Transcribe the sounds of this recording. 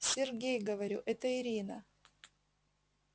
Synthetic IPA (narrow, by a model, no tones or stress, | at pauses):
sʲɪrɡʲejɡəvɐɾʲuʔɛt̪əɪɾʲinɐ